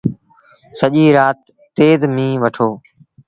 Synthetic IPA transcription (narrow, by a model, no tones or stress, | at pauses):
səʄiːɾaːt̪ː | eːd̪mĩːʋəʈʰoː